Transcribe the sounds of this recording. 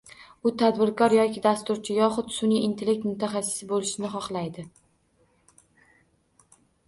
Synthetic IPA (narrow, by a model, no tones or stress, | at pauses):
ʊt̪ʰad̪bɪɾkɒɾjɒkʲʰɪd̪ast̪ʊɾt͡ʃʰɪjɒχʊt̪sʊniɪnt̪ʰe̞lːek̚t̪mʊt̪ʰaχasɪ̥sɪbolɪʃɪnɪχɒχlˠajd̪ɪ